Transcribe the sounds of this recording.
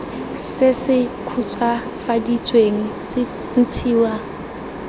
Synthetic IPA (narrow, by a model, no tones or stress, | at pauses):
sɪsɪkʰut͡sʰa | fadit͡sʼweŋ̩sɪ | n̩t͡sʰiːwa